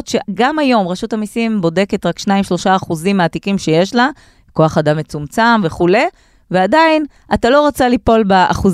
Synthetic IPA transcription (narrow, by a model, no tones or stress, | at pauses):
tʃeɡamajo̞mʁeʃutamisimbo̞de̞ke̞tʁakʃnaimʃlo̞ʃaːχuzimaːtikimʃe̞je̞ʃla | ko̞aχadamːet͡sumt͡samve̞χule̞ | veadain | atalo̞ʁat͡salipo̞lbaa̰χuz